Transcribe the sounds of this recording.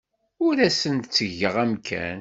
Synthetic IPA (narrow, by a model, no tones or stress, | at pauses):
ʊɾæsənd̪t͡sːəʝːəʁæmkʰæ̰n